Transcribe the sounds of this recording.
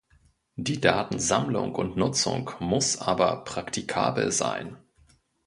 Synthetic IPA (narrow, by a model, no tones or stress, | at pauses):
d̥iːdaːtn̩zamlʊ̰ŋkʊntnʊt͡sʊ̰ŋkmʊsʔaːbɐpʁ̥aktʰikʰa̰ːbl̩za̰ɪn